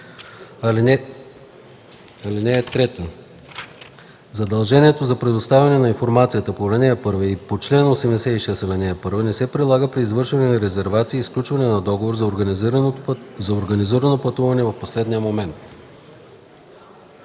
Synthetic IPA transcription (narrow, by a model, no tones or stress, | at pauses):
ɐliɛ | ɐlinɛːt̪ɾɛt̪ə | zɐd̪ɐlˠʒɛniɛt̪ozɐpɾɛd̪ost̪avʲɐnɛnɐinfoɾmat̪sijət̪əpolɛnɛəpɤɾvəipot͡ʃlɛnosɛmd̪ɛsɛiʃɛsɐlɛnɛɐpɤɾvənɛsɛpɾid̪lˠaɡəpɾiːzvɤɾʃvɐnɛnɐɾɛzɛɾvat̪siːsklʲut͡ʃvɐnɛnɐd̪ɔɡovoɾz | zɐoɾɡɐniziɾɐnopɐt̪uvɐnɛvɐfposlɛd̪nijəmomɛnt̪